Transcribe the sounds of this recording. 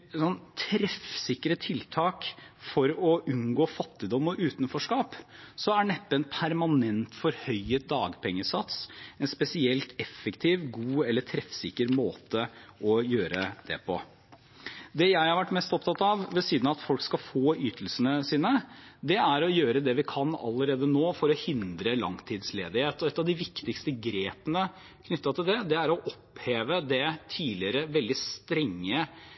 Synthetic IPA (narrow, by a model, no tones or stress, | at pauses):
sɔnt̪ʰɾɛfsɪkːəɾət̪ʰɪlt̪ʰɑːkfɔɾɔʔʉnɡoːfɑt̪ːɪd̪ɔmːɔʔʉːt̪nfɔʂkɑːpsɔæɳɛpːəɛnpʰæɾmɑnɛnt̪fɔɾhœʏəd̪ɑːɡpʰɛŋːəsɑt̪sɛnspɛsɪɛlt̪ɛfːəkt̪ʰiːʋɡuːɛlːəʈʰɾɛfsɪkːəɾmoːt̪əɔjøːɾəd̪̥ɛ̰pʰɔ̰ | d̪ɛjæɪhɑɾʋæʈːmɛst̪ɔpt̪ʰɑt̪ːɑʋʋɛsiːd̪n̩ɑɑt̪fɔlkskɑfoːʔyːt̪ʰəlsənəsiːnəd̪ɛæɾɔjøːɾəd̪ɛʋɪkʰɑnɑ̰lːəɾeːd̪ənoːfɔɾɔhɪnd̪ɾəlɑ̰ŋt̪ʰiːd̪sleːd̪ɪheːt̪ɔɛt̪ːɑʋd̪ɪʋɪkt̪ɪkst̪əɡɾeːpənə | kʰnʏt̪ːɑt̪ʰɪld̪ɛd̪ɛæɾɔʔɔpːheːʋəd̪ɛt̪ʰiːlɪəɾəʋɛld̪ɪst̪ɾɛŋːə